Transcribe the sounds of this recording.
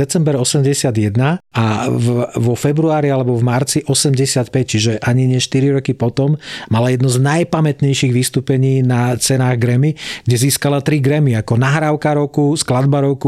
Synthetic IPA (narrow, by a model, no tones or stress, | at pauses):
ɛt͡sɛmbɛɾɔsɛmɟɛsɪad̪jɛd̪naavʋɔfɛbɾuaːɾialɛbɔvmaɾt͡siʔɔsɛmɟɛsɪat̪pɛc̚t͡ʃiʒɛʔaɲiɲɪɛʃt̪iɾiɾɔkipɔt̪ɔmmalajɛd̪nɔznajpamɛt̪ɲɛjʃiɣʋist̪uːpɛɲiːnat͡sɛnaːɣɡɾɛmiɡɟɛziːskalat̪ɾiɡɾɛmiakɔnaɦɾaːʊkaɾɔʊkusklad̪baɾɔʊku